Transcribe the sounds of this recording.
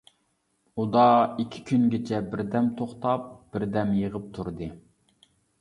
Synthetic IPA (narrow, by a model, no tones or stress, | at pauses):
ud̪ɑikʲʰɪ̥kʲynɡʲet͡ʃʰɛbɪɾd̪ɛmt̪ʰoχt̪ʰɑp̚b̥ɪɾd̪ɛmjəʁəp̚t̪ʰuɾd̪ɨ